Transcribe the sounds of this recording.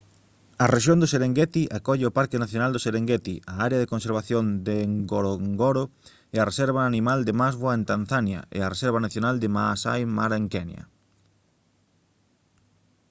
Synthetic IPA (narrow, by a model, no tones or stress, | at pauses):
ɐreʃjond̪ʊseɾeŋɡɛt̪iʔakɔʎɪopaɾkɪnaθjonald̪oseɾeŋɡɛt̪iʔaaɾeaðekonseɾβaθjond̪eŋɡoɾoŋɡoɾo | eɐresɛɾβaːnimald̪ɪmazβwaent̪an̟θanjɐ̰ḛaresɛɾβanaθjonald̪ɪmasa̰jmaɾeŋkɛnj̰ɐ̰